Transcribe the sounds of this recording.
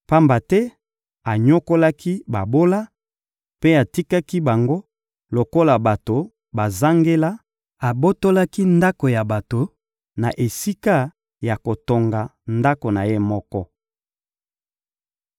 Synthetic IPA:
pa˦mba˨tɛ˦ | a˨ɲo˦ko˦la˦ki˦ba˨bo˦la˦ | pe˦a˨ti˦ka˦ki˦ba˨ŋɡo˦ | lo˨ko˦la˨ba˨to˨ | ba˨za˦ŋɡe˦la˦ | a˨bo˦to˦la˦ki˦nda˦ko˨ja˨ba˨to˨ | na˨ʔe˨si˦ka˦ | ja˨ko˨to˨ŋɡa˨nda˦ko˨na˨je˦mɔ˦kɔ˦

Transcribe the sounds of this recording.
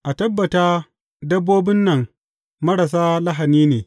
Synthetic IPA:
ʔa˨tɐ˦bːɐ˨taː˦ | dɐ˦bːoː˦bɪ˦nːɐ˨ŋ | mɐ˦ɽɐ˨s̬aː˦lɐ˦ɦa˨niː˦neː˨

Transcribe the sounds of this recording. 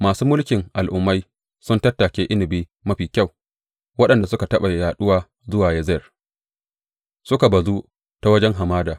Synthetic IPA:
maː˨suː˦mʊ˦lkʲɪ˨ŋʔa˨lʔʊ˨mːa˦j | sʊ˦ntɐ˦tːaː˨kʲeː˦ʔɪ˦nɪ˨biː˦ | mɐ˦ɸiː˨kʲa˦˨w | wɐ˦ɗɐ˨nda˨sʊ˦ka˨tɐ˦ɓa˨jaː˨ɗʊ˦waː˦ | zʊ˦waː˨jɐ˦zɛ˨r | sʊ˦ka˨bɐ˨zu˦ | ta˦wɐ˦d͡ʒɛ˦ŋɦa˨maː˦daː˨

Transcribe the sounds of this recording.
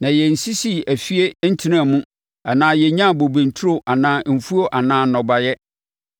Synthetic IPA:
nã˨jɛ˨n̩˨si˦si˦æ˨fi˦e˦n̩˦tʰi˦ã˦˨mũ˦ | ɛ˨nãː˦jɛ˨ɲã˦˨bo˨bẽ˨n˨tʰu˦ɾo˨ʔa˨nãː˦m̩˨fu˦o˦ʔa˨nãː˦nɔ̃˨ba˨jɛ˦

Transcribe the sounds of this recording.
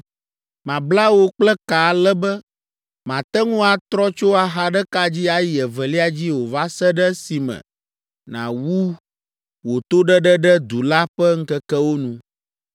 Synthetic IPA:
mã˨bla˦wo˦k͡plɛ˦ka˨lɛ˦bɛ˦ | mã˨t̪ɛ˦ŋũ˦a˨t̪ɾɔ˦t͡ʃo˦a˨ɦa˨ɖɛ˦ka˦d͡ʑi˦a˦jɛ˨vɛ˨li˦a˨d͡ʑi˦wo˨va˦sɛ˦ɖɛ˦si˨mɛ̰̃˨ | nã̰˨wu˦ | wo˨t̪o˦ɖɛ˦ɖɛ˦ɖɛ˦d̪u˨la˦ɸɛ˦ŋ̩˦kɛ˦kɛ˦wo˦nũ˨

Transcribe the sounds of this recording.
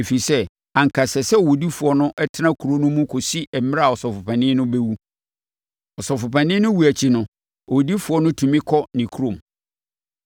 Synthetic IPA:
e˨fi˨sɛ˦ | ã˨ŋ˨kʰa˨sɛ˨sɛ˦o˨wo˨di˦fu˨ɔ˦nʊ̃˦ʔɛ˦tʰɪ˦nã˦kʰu˨ɾo˦nʊ̃˦mũ˦kʰo˨si˦ʔɛ˨m˦a˨ɔ˨sɔ˨fʊ˨pʰã˨nɪ̃˦nʊ̃˦bɛ˦wu˦ | ɔ˨sɔ˨fʊ˨pʰã˨nɪ̃˦nʊ̃˦wu˨æ˨t͡ɕʰi˨˦nʊ̃˦ | ɔ˨wo˨di˦fu˨ɔ˦nʊ̃˦tʰũ˨mɪ̃˦kʰɔ˦nɪ̃˨kʰu˦ɾõ˨m

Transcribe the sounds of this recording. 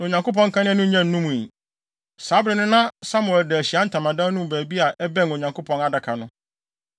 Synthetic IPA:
o˨ɲã˨ŋko˦pʰɔ̃˦ŋ̩˦kʰã˦nɪ̃˦nʊ̃˦ɲɛ̃˦n̩ː˦ũ˦mũ˨i˨ | saː˨˦bɾɪ˨nʊ̃˦nã˦sa˦mʊ̃˨ɛ˨dɛ˨æ˨ɕi˨a˦n̩˦tʰã˨mã˨dã˦nũ˦m˨bæː˨bi˦a˨ʔɛ˦bɛ̃˦˨no˨ɲã˨ŋkʰo˦pʰɔ̃˨na˨da˨kʰa˨nʊ̃˦

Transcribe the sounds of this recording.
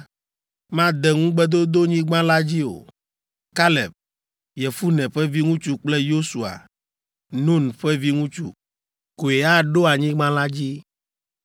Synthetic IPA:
mã˦d̪ɛ˨ŋũ˦ɡ͡bɛ˦d̪o˦d̪o˦ɲĩ˦ɡ͡bã˦la˦d͡ʑi˦o̰˨ | ka˦lɛ˨b̚ | jɛ˨fu˦nɛ̃˨ɸɛ˦vi˦ŋũ˦t͡ʃu˦k͡plɛ˦jo˦su˨a̰˨ | nũ˦nɸɛ˦vi˦ŋũ˦t͡ʃṵ˦ | ko˨e˨a˦ɖo˦a˨ɲĩ˦ɡ͡bã˦la˦d͡ʑi˦

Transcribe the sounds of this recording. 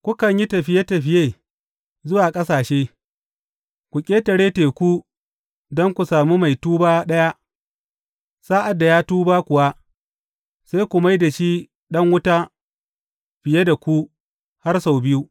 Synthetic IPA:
kʷʊ˦kɐ˨ɲji˦tɐ˨ɸɪ˦je˦tɐ˨ɸɪ˦jeː˦ | zʊ˦waː˨kʼɐ˦saː˨ʃeː˦ | kʷu˨kʲʼeː˦tɐ˨ɽeː˦teː˨kʷu˦ | dɔ˦ŋkʷu˨saː˨mu˦ma˨jtuː˦baː˦ɗɐ˦ja˦ | saː˦ʔa˨dːa˨jaː˦tuː˦baː˦kʷʊ˨wa˦ | sa˦jkʷu˨ma˦jda˨ʃiː˦ | ɗɐ˦ŋwʊ˦taː˦ | ɸɪ˨je˦da˨kʷu˦ | ha˦rsa˨wbɪ˦ju˦

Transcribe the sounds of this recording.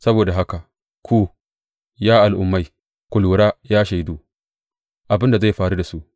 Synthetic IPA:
sɐ˦boː˨da˨ɦa˦ka˨ | kʷʰuː˦ | jaː˦ʔa˨lʔʊ˨mːa˦j | kʷʊ˨luː˨ɾaː˦jaː˦ʃa˨jduː˦ | ʔa˨bɪ˦nda˨za˦˨jɸaː˨ɾu˦da˨su˦ʔ

